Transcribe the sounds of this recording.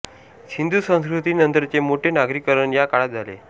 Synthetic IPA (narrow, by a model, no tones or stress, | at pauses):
ɕind̪ʱusə̃skɾut̪iːnənt̪əɾt͡semoʈʰenaɡɾikəɾəɳjakaɽat̪̚d͡zʱalḛ